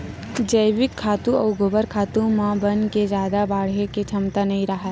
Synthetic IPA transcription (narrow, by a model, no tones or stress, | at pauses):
d͡ʒəɪʋɪkʰːaːt̪ũɐːɡobəɾkʰaːt̪ũmãbənked͡ʒjaːd̪abaːɽɦeket͡ʃʰɐmt̪anɐɦĩɾɐɦət̪